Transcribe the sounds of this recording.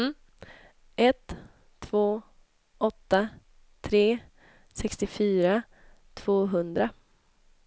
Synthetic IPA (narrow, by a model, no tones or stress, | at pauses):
ʔɛt̪ʰː | v̥oː | ʔɔt̪ːa | t̪ʰɾeː | sɛkst̪ɪfyːɾa | t̪ʰv̥oːɦɵnd̪ɾa